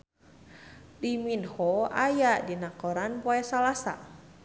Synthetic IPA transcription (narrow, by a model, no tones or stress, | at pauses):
diminhɔajaʔdinakoɾanpoɛsalasa̰